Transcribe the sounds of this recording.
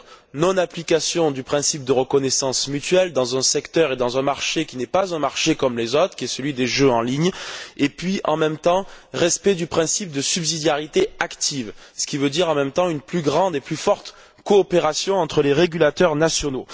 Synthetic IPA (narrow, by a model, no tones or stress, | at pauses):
nɔ̃naplikasjɔ̃d̪ypχɛ̃sip̚d̪əʁəkɔnɛsɑ̃smyt̪ɥɛld̪ɑ̃zɛ̃sɛkt̪œʁed̪ɑ̃zɛ̃maʁʃekʲinɛpazɛ̃maʁʃekɔmlezot̪χə̥kʲiɛsəlɥid̪eʒøɑ̃liɲepɥiʔɑ̰̃mɛmt̪ɑ̃ʁɛspɛd̪ypχɛ̃sip̚d̪əsybzid̪jaʁit̪eakt̪ʰivsə̥kʲivød̪iʁɑ̃mɛmt̪ɑ̃ynplyɡʁɑ̃d̪eplyfɔʁt̪ | kɔːpeʁasjɔ̃ɑ̃t̪χəleʁeɡʲylat̪œʁnasjɔno